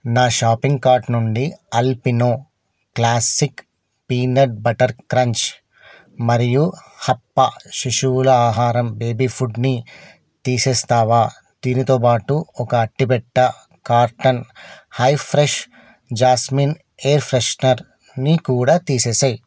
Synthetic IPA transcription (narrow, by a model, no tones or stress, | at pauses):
naːʃaːpiŋɡkaːɾʈnuɳɖiɐlpinoː | klaːsik | piːnɐɖ̚bɐʈɐɾkɾɐɲt͡ʃ | mɐɾijuhɐpːɐʃiʂulɐaːɦaːɾɐmbeːbipʰuɖni | t̪iːseːst̪aːʋaː | d̪̥iːnit̪o̞ːpaːʈuɔkɐːʈːipɛʈːɐ | kaːɾʈɐnhɐjpʰɾeʃ | d͡ʒaːsmin | eːɾpʰɾeʃnɐɾ | nikuːɽaːt̪iːseːsɐj